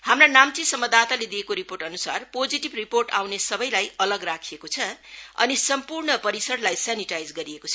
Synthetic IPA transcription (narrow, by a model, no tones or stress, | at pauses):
hamranamt͡sisʌmʌd̪at̪aled̪ijekoɾiporʈʌnusa̰rpod͡ziʈibriporʈa̰wnesʌbʌjlajʌlʌɡrakʰiekot͡sʰʌʌ̰nisʌmpurɳʌpʌɾisʌɽlajsaniʈajd͡zɡʌɾiekot͡sʰʌ